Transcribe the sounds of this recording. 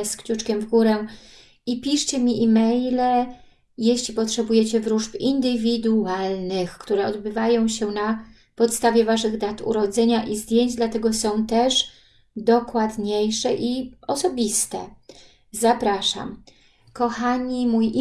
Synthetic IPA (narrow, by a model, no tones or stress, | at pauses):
skt͡ɕut͡ʂkʲɛmvɡuɾɛ | ipʲiʂt͡ɕɛmʲiʔimɛjlɛ | jeɕlʲipɔtʂɛbujɛt͡ɕɛvɾuʂpind̪ɘvʲid̪ualnɘxkt̪uɾɛɔd̪bɘvajɔ̃w̃ɕɛna | pɔt̪st̪avʲjɛvaʂɘɣd̪at̪ṵɾɔd̪zɛɲaʔizd̪ʲjeɲd͡ʑd̪lat̪ɛɡɔsɔ̃w̃t̪ɛʂ | d̪ɔkwad̪ɲejʂɛʔiɔsɔbʲist̪ɛ̰ | zapɾaʂa̰m | kɔxaɲimuj